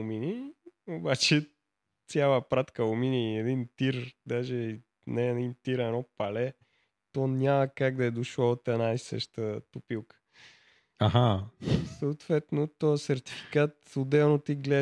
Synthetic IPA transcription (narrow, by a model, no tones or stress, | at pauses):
miniobat͡ʃɛ | t̪sʲjalˠəpɾat̪kəʊminiɛd̪int̪iɾd̪aʒɛi | nɛːd̪int̪iɾɛnɔpɐlɛ | t̪ɔnʲaməkaɡ̚d̪ɐɛd̪oʃlɔt̪ɛnaisə̰ʃt̪ət̪ʊpilˠkə̥ | aɦasət̪vɛt̪not̪ɔəsɛɾt̪i̥fi̥kat̪od̪ɛlnot̪iɡlɛ